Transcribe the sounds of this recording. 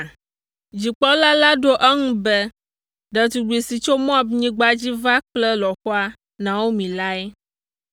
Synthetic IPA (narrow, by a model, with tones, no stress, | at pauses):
d͡ʑi˨k͡pɔ˦la˦la˦ɖo˦ʔɛ˦ŋũ˦bɛ˦ | ɖɛ˨t̪u˨ɖu˨e˨si˨t͡ʃo˦mɔ̃˦a˨bɲĩ˦ɡ͡ba˦d͡ʑi˦va˦k͡plɛ˦lɔ˨xɔ˦a˦ | nã˨wo˦mĩ˨la˦ɛ˦